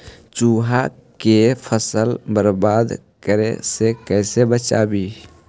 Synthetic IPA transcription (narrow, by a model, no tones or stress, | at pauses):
t͡ʃuːɦa | kepʰəsəlbəɾbaːd̪ | kəɾḛsekɛɪsebət͡ʃa̰ːbi